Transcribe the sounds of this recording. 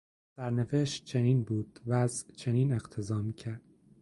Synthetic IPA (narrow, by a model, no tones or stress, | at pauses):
sæɾnefeʃt͡ʃʰeniːnbuːd̪̥væzt͡ʃʰeniːne̞qt̪ʰe̞zɒːmiːcʰæɾd̪̥